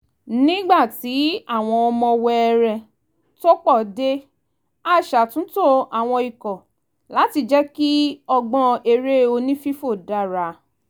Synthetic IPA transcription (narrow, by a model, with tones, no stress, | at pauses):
nĩ˦ɡ͡ba˦˨ti˨˦a˦˨w̃ɔ̃˧ɔ˧mɔ̃˧wɛ˧ɛ˧ɾɛ˧˨ | to˦k͡pɔ˦˨de˦ | a˦˨ʃa˨tũ˨˦to˦˨a˨w̃ɔ̃˧i˨kɔ̃˨ | la˨˦ti˧d͡ʒɛ˦ki˦ɔ˧ɡ͡bɔ̃˧e˧ɾe˦o˧nĩ˦fi˦fo˦˨da˧˨ɾa˨˦